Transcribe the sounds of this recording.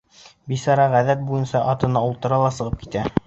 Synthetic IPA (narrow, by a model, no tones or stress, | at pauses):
bisɑɾɑʁæðæt̪̚bujɤnsɑʔɑt̪ɤ̆nɑulˠt̪ɤ̆ɾɑlˠɑsɤ̆ʁɤp̚ki̥t̪æ